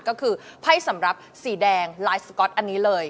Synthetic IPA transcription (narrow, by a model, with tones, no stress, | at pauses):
kɔː˥˩kʰɯː˧pʰa˥˩jsa˩˦mɾa˨˩p̚siː˩˦dɛː˧ŋlaː˦˥jskɔ˦˥t̪̚ʔa˧nːiː˦˥lɤː˧j